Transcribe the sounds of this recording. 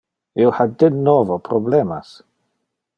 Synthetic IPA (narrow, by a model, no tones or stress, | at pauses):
ɪwħadɪnːɔvɔpʰɾɔblɛmas